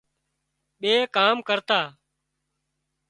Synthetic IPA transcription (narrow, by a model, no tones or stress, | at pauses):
ɓeːkaːmkəɾt̪aː